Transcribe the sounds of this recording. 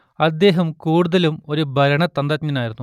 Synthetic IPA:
ɐd̪ːe̞ːɦɐmkuːɽuðɐlumo̞ɾubʱɐɾɐɳɐt̪ɐnd̪ɐt̪ɲɐnaːjiɾunːu

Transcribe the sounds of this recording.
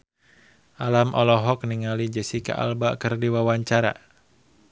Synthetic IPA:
ʔalamʔɔlɔɦɔk̚niŋalid͡ʒɛsika̰ʔa̰lbakɨrdiwawaɲt͡ʃaɾa̰

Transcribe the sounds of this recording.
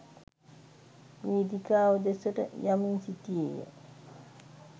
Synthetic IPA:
miːd̪ikaːʋəd̪esəʈə̰jaminsit̪iejə̰

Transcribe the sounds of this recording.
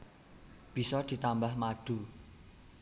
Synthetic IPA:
b̥i̤sɔd̪̥i̤t̪ambahmaɖ̥ṳ

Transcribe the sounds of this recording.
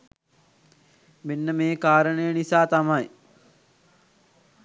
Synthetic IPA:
menːəmeːkaːɾəɳəjənisaːt̪amaj

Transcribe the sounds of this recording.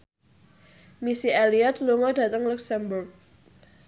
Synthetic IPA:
misialiat̪luŋɔdä̤t̪əŋluksɛmbʊrk̚

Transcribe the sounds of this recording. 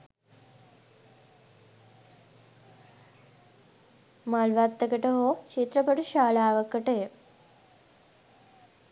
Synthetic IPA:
malʋat̪ːɐkɐʈɐɦoːt͡ʃit̪ɾɐpɐʈuʃaːɭaːʋɐkːɐʈee

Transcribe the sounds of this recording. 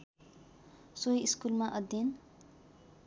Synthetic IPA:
sojiskulmaʔʌd̪in

